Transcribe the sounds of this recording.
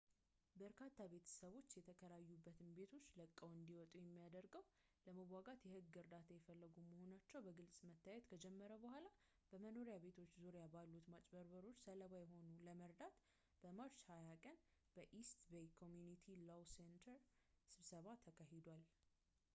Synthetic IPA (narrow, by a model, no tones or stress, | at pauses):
bəɾkʰat̪ʰːabe̞t̪ʰə̥səβo̞t͡ʃːjɛt̪ʰəkʰəɾajːubːət̪ʰɨmbe̞t̪ʰo̞t͡ʃːləkʼːəwɨnd̪iwɔt̪ʼujɛmːijad̪əɾɡəw | ləməwʷaɡat̪jɛhɨɡːɨɾd̪at̪ʰajɛfəlːəɡuməho̞nat͡ʃːɛwbəɡɨlsʼmət̪ʰːajɛt̪kʰəd͡ʒɛmːəɾəbəhʷala | b̥əməno̞ɾijabe̞t̪ʰo̞t͡ʃːzuɾjabalːut̪mat͡ʃʼbəɾbəɾo̞t͡ʃːsələβajɛɦo̞nuləməɾd̪at̪ | b̥əmaɾt͡ʃhajakʼənb̥əʔist̪bejkʰomjunit̪ʰilowsent̪ʰəɾsɨβsəβat̪ʰəkʰaɦed̪wal